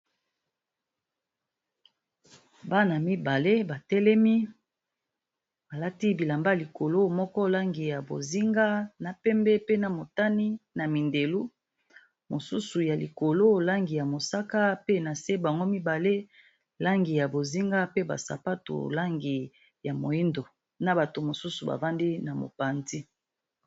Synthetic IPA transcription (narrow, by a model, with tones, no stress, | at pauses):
ba˦na˨mi˦ba˨le˦ba˨tɛ˦lɛ˦mi˦ | ba˨la˦ti˦bi˨la˨mba˦˨li˨ko˨lo˦mɔ˦kɔ˦la˦ŋɡi˨ja˨bo̰˨zi˦ŋɡa˦na˨pɛ˦mbɛ˦pe˦na˨mo˨ta˦ni˦na˨mi˨nde˨lu˦ | mo˨su˦su˨ja˨lḭ˨ko˨lo˦la˦ŋɡi˨ja˨mo˨sa˦ka˦pe˦na˨se˦ba˨ŋɡo˦mi˦ba˨le˦ | la˦ŋɡi˨ja˨bo˨zi˦ŋɡa˦pe˦ba̰˨sa̰˨pa˦to̰˨la˦ŋɡi˨ | ja˨mo˨i˦ndo˨ | na˨ba˨to˨mo˨su˦su˨ba̰˨va˦ndi˦na˨mo̰˨pa˨nzi˦